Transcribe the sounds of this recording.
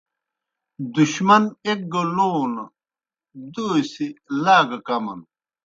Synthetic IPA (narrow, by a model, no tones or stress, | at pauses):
d̪uɕmɐnek̚ɡoloːnɐ | d̪oːsilaːɡɐkɐmɐ̰n